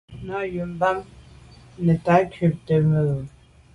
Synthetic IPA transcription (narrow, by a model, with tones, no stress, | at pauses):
na˦˨ju˨mba˦m | nɛ˨ta˨˦kʰʉ˨p̚tə˨mə˨o˨